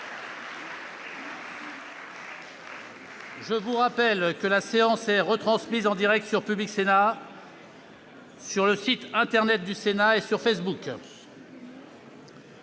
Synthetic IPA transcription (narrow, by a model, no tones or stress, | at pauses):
ʒəvuʁapɛlkəlaseɑ̃sɛʁət̪χɑ̃smizɑ̃d̪iʁɛk̚t̪syʁpybliksena | syʁləsit̪ɛ̃t̪ɛʁnɛt̪̚d̪ysenaesyʁfesbuk